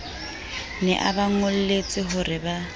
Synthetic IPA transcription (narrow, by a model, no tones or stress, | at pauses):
nɛ̰ʔabaŋʊl̩let͡sʼɪɦʊrɪba